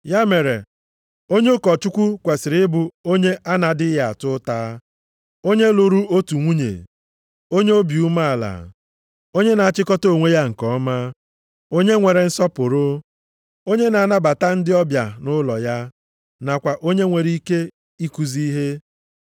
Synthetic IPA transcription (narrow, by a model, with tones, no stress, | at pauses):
ja˦me˨ɾḛ˨ | o˦ɲe˦kɔ˨t͡ʃu˦kʷu˦kʷa˨sɪ˨ɾɪ˦ɪ˦bʊ˨o˦ɲe˦ʔa˦na˨dɪ˦ja˨a˨tʊ˦taː˦ | o˦ɲe˦lo˨ɾu˦o˦tu˨ŋʷu˦ɲḛ˨ | o˦ɲe˦o˦bju˦ma˦a˨la̰˨ | o˦ɲe˦na˨a˨t͡ʃɪ˦kɔ˦to˦˨ŋʷe˦ja˦ŋ̩˨kɔ˦ma˦ | o˦ɲe˦ŋʷe˨ɾe˨n̩˦sɔ˦pʊ˨ɾo˦ | o˦ɲe˦na˨a˦na˦ba˨ta˦n̩˦dɪ˦ɔ˦bja˨nʊ˦lɔ˨ja˦ | na˨kʷa˨ʔo˦ɲe˦ŋʷe˨ɾi˦ke˦ | i˦ku˨zi˦ɦe˦